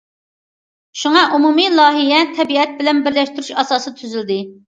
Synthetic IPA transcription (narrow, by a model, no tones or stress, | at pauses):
ʃuŋɑʔumumilˠɑːɦijɛt̪ʰɛbiɛt̪̚bɪlɛnbɪɾlɛʃt̪yɾyʃɑsɑːsɨt̪ʰyzyld̪ɪ